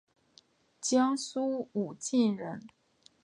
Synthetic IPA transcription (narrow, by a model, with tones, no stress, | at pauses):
t͡ɕjɑ˥ŋsu˥u˨˩t͡ɕi˥˩nɻə˧˥n